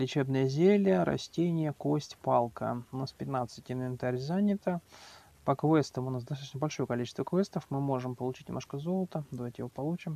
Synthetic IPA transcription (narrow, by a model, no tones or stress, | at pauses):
lʲɪt͡ɕebnəjəzʲelʲəɾɐ̰sʲtʲenʲɪjəkosʲtʲpalˠkə̰ʊnaspʲɪt̪nat̪sɨtʲɪnvʲɪnt̪aɾʲzanʲɪt̪ə | pəkvɛst̪əmʊnasd̪ɐst̪at̪ːt͡ɕnəbɐlʲʂo̞jəkɐlʲit͡ɕɪst̪vəkvʲest̪əfmɨmo̞ʐɨmpəlˠʊt͡ɕitʲnʲɪmoʂkəzo̞lˠət̪əd̪ɐvajtʲɪjɪvopɐlˠut͡ɕɪm